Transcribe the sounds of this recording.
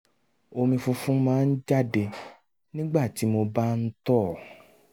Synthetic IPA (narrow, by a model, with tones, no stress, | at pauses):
o˧mĩ˧fu˧fũ˦mãː˦n̩˦d͡ʒa˦˨de˧ | nĩ˦ɡ͡ba˦˨ti˨˦mo˧ba˦n̩˦tɔ˦˨